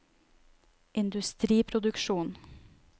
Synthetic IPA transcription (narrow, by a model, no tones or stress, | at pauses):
ʔɪnd̪ʉst̪ɾiːpʰɾʊd̪ʉkʃuːn